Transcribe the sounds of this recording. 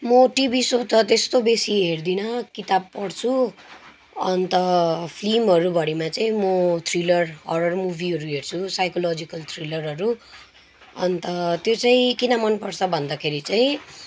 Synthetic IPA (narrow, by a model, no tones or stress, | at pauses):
mʌʈibisot̪ʌt̪est̪obesiɦerd̪inʌkit̪ab̚pʌɽt͡sʰu | ʌ̰nt̪ʌpʰlimɦʌɾubʱʌɽimat͡saĩmʌt̪ʰrilʌrʌ̰rɖʌrmubʱiɦʌɾuɦert͡sʰusajkolod͡zikʌlt̪ʰrilʌrʌɾu | ʌ̰nt̪ʌt̪jot͡saĩkinʌmʌnpʌrt͡sʰʌbʱʌnd̪akʰeɾit͡saĩ